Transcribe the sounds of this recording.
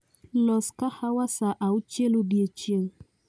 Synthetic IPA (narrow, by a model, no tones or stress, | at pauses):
lɔskahawasaʔaut͡ʃelubjet͡ʃeŋ